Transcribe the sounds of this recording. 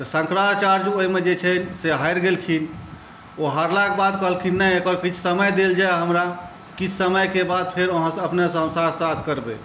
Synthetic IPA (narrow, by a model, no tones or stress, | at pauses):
t̪əsə̃ŋkɾaɾt͡ʃaɾd͡ʒoimed͡ʒet͡ʃʰənseɦajɾɡelkʰin | oɦəɾlakebad̪kəɦəlkʰinːɛjekɔɾkit͡ʃʰsəməjd̪eld͡ʒaeɦəmɾa | kit͡ʃʰsəməjkebad̪̚pʰeɾəɦãsəpnesəɦəmsasat̪ʰkəɾbḛ